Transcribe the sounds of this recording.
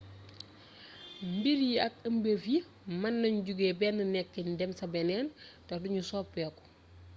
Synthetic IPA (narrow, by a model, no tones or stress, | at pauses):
mbiɾiɐk̚ɐmbefi | mɐnːɐɲɟuɡɛːbɛːnːənɛkːɛndɛmsɐbɛnɛːntɛduɲusɔːpːɛːkɔ̥